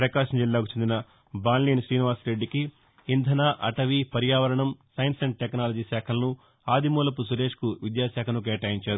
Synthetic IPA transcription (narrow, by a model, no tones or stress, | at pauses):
pɾɐkaːʂɐmd͡ʒilːaːku̥t͡ʃe̞nd̪inɐ | baːnliːnʃɾiːniʋaːsɾeɖːikiː | nd̪ʱɐnaːʔɐ̰ʈɐʋipɐɾjaːʋɐɾɐɳɐmsɐjnsɐɳɖ̚ʈeknaːlɐd͡ʒiːsɛːkʰɐlɐnu | aːd̪ʱimuːlɐpus̬uɾe̞ːʂkuʋid̪jaːsaːkʰɐnuk̬eːʈaːjiɲt͡ʃaːɾu